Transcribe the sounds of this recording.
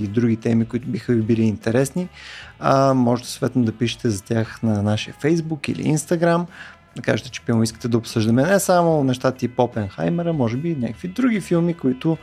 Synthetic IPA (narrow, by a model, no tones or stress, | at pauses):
id̪ɾuɡʲit̪ɛmikʊit̪ʊbixəvibiliːnt̪ɛɾɛsniamɔʒɛt̪ɛst̪vɛt̪nʊd̪ɐpiʃə̥t̪ɛzɐt̪ʲjaxnɐnaʃiəfɛjzbukḭlḭḭnst̪ɐɡɾam | d̪ɐka̰ʒet̪ɛ̥t͡ʃɛ̥pimoiskə̥t̪ɛd̪ɐopsɤʒd̪əmɛnɛsamʊnɛʃt̪at̪əipɔpɛnxa̰jmɛɾəmɔʒɛbinʲa̰kə̥kvid̪ɾuɡʲifilˠmikʊit̪ʊ